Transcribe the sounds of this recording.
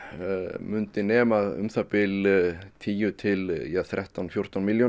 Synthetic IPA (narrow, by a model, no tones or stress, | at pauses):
mʏnt̪ɪnɛːmaðʏ̰mθapɪlt̪ʰiːjʏt̪ʰɪljaθɾʔɛht̪awnfjor̥t̪anmiljɔ